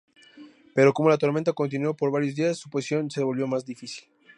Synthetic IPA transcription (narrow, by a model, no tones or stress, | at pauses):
pe̞ɾo̞ko̞mo̞lat̪o̞ɾmẽnt̪ako̞nt̪̬inwopo̞ɾβaɾjo̞zðiasːu̥posjo̞nseeβo̞lβjo̞mazd̪ifisil